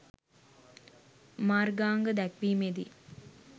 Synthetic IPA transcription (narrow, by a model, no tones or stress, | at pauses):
maːrɡaːŋɡəd̪ækʋiːmed̪i